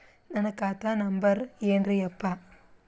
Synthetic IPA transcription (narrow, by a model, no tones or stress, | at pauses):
nɐnɐkːaːt̪ːaːnɐmbɐɾjendrɯjɛpːaː